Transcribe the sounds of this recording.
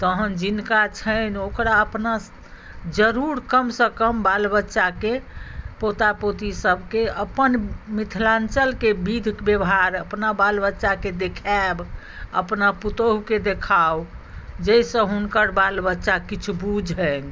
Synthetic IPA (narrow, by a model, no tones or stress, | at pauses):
t̪əɦənd͡ʒinkat͡ʃʰənokɾaəpna | d͡ʒəɾuɾkəmsə̃kəmbalbətːʃakepot̪apot̪isəbʱkeəpənmit̪ʰlant͡ʃəlkebid̪ʱkbjəbɦaɾəpnabalbətːʃaked̪ekʰab | ə̰pnaput̪oɦked̪ekʰaw | d͡ʒəjsə̃ɦunkəɾbalbətːʃakit͡ʃʰubud͡ʒʱɦən